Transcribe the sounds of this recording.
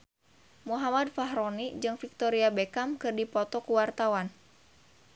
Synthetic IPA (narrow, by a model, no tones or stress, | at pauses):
muɦamadfaɦɾɔnid͡ʒɨŋfik̚t̪ɔɾiabɛkamkɨrdipɔt̪ɔkuwart̪awan